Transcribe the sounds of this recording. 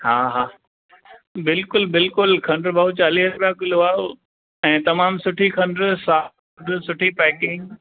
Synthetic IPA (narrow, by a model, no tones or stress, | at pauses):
ɦaːɦaː | bɪlkʊlbɪlkʊlkʰɐ̃ɳɖɾbʱaːut͡ɕaːliːsɾʊpijakʊlʊaː | ɛ̃ːt̪ɐmaːmsʊʈʰikʰɐ̃ɳɖɾsaː | ɖsʊʈʰipɛːkɪ̃ŋɡ